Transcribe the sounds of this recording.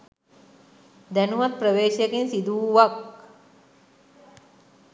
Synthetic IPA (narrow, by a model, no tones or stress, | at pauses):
d̪ænuʋat̪̚prəʋeːʃjakensid̪uʋak̚